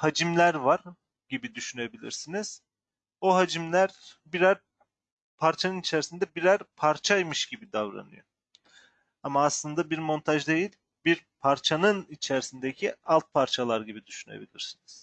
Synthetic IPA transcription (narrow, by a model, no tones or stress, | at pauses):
had͡ʒimlʲæɾvaɾ | ɟibid̪yʃyne̞bilʲḭɾsiniz̥ | oɦad͡ʒimlʲæɾbiɾæɾ | pʰaɾt͡ʃʰanɯnit͡ʃʰæɾisind̪ɛbiɾæɾpʰaɾt͡ʃʰajmɯʃɟ̥ibid̪avɾa̰nɯ̰jo̰ | amaːslˠɯnd̪abiɾmo̞nt̪ʰaʒd̪ejilʲ | biɾpʰaɾt͡ʃʰanɯnit͡ʃʰæɾisind̪ecʰialˠt̪̚pʰaɾt͡ʃʰalˠaɾɟibid̪yʃyne̞̰bḭlʲḭɾsiniz̥